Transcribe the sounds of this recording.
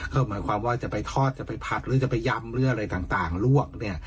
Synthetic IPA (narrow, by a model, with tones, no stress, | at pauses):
kʰa˧˥˩wmaː˩˦jkʰwaː˧mwaː˥˩t͡ɕa˨˩ʔpa˧jt̪ʰɔː˥˩t̪̚t͡ɕa˨˩pa˧jpʰa˨˩t̪̚ɾɯː˨˦t͡ɕa˨˩pa˧jːa˧mɾɯː˨˦˥ʔa˧ɾa˧jt̪aː˨˩ŋt̪aː˨˩ŋlu˥˩ək̚ni˥˩ɐ